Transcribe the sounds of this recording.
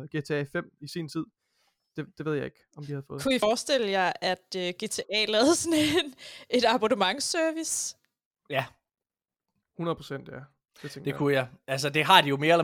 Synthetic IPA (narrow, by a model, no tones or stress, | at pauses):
ɡ̥e̝t͡sʰe̝ɛfem̰isḭːnt͡sʰið̰ˠ | d̥e̝d̥eʋe̝ð̰ˠjɑ̈e̝ɡ̥ɒ̽md̥ihæð̞̩ˠfɔ̽ːð̩kʰuifɒːsd̥el̰əjɑ̈ɪʔæd̥øɡ̥e̝t͡sʰe̝ʔɛ̰ːlɛːð̩ˠsɔne̝ne̝d̥ɑ̈b̥onəmɑ̈ŋsœɐʋis | jæ | hunɐðˠpʰʁo̝sen̰d̥jæ | d̥e̝t͡sʰeŋɡd̥ekʰujɑɪæls̬əd̥e̝ɦɑ̈d̥ijo̝me̝ːɐelɐ